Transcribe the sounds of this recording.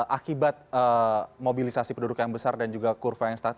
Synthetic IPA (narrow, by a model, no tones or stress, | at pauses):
ʔakibat̪̚əmobilisasipəndudʊkjaŋbəsardand͡ʒuɡakurfajaŋst̪at̪